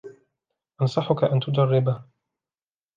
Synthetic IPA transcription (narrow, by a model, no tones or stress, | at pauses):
ʔɑnsˤɑħʊkaʔant̪ʊd͡ʒ̪ɑrˤːɪba